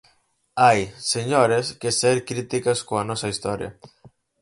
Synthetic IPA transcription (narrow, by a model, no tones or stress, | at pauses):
ajseɲoɾeskeseɾkɾit̪ikɐskoɐnɔsɐist̪ɔɾjɐ̰